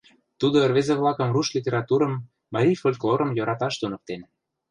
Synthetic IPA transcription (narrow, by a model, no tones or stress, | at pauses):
t̪ud̪oerβezeβlɑkə̆mruʃlʲit̪ʲeɾɑt̪uɾəmː | ɑɾʲijfolʲklˠoɾəmjoɾɑt̪ɑʃt̪unɤ̆k̚t̪en